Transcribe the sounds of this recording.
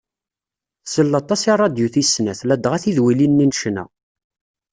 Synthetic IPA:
θsəlːɑt̪ˤɑsirˤːɑd̪juθisnæθlæd̪ʁæθiðwilinːinʃnæ̰

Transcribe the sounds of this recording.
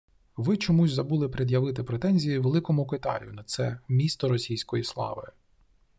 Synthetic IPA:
ʋɪt͡ʃɔmuzʲzɐbulˠɪpɾʲed̪ʲjɐʋɪt̪̬ɪpɾet̪ɛnʲzʲijiʋelˠɪkɔmʊkɪt̪ɑ̰jʊnɐt̪sɛ̰mʲist̪ɔɾɔsʲijsʲkɔjislˠɑ̰ʋɪ̰

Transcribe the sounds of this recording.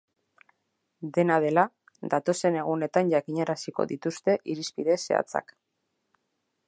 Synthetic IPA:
d̪e̞nað̞e̞la | d̪at̪o̞se̞ne̞ɣ̞une̞t̪anʝakiɲaɾasiko̞̰ðit̪ust̪e̞ʔiɾispiðe̞se̞̰a̰t͡sa̰k

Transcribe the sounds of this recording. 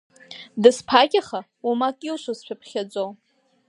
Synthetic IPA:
dɨspʰakʲʼaχa | umakʼilʃʷazʃʷᶣapʰχʲad͡ʒʷʼow

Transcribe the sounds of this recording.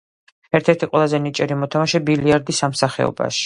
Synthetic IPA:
ɛɾt̪ʰɛɾt̪ʰiqʼwɛlˠazɛnit͡ʃʼɛɾimɔt̪ʰamaʃɛbiliaɾd̪isamsaχɛ̰ɔ̰ba̰ʃi̥

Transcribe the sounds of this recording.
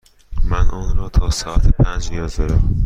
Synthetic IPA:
mænʔɒːnɾɒːt̪ʰɒːsɒːæt̪ʰepʰænd͡ʒmijɒːzd̪ɒɾæm

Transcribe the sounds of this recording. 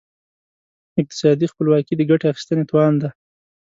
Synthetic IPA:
ɪq̚t̪ɪ̥sɑd̪ixpəlwɑkid̪əɡaʈeaxi̥st̪ənet̪uwɑnd̪a

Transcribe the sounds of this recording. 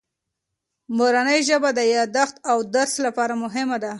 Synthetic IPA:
moɾanəjʒəbad̪əjɑd̪axt̪awd̪aɾslapɑɾamʊɦɪmad̪a

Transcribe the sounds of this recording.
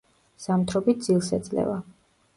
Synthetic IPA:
samt̪ʰɾɔbit̪̚d̪z̥ilˠsɛd̪zʼlɛ̰va

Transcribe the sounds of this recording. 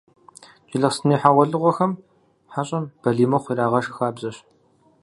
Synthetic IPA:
t͡ʃʼɪɮɐχsɨniːħaʁʷɔɮɨʁʷɔxɐm | ħaɕʼɐmb̥ɐɮiːmɐχʷiːraːʁɐʃxaːbzɐɕ

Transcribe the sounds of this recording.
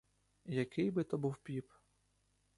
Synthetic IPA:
jɐkʰɪjbɪt̪ɔbuwpʲip

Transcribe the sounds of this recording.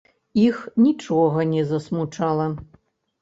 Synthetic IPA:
ixnʲit͡ʂɔɣɐnʲɛzɐsmut͡ʂalˠɐ

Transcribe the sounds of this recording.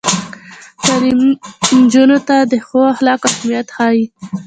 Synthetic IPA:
t̪alimnd͡ʒunot̪ad̪əxoahlɑkahmijat̪xɑji

